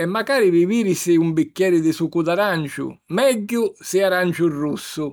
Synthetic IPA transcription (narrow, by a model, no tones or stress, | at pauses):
ɛmːakaːɾiɾiviːɾisɪumbikʲːɛːɾɪd̪ɪsukud̪aɾant͡ʃʊ̰mɛɟːʊsɪaɾant͡ʃʊrːusːʊ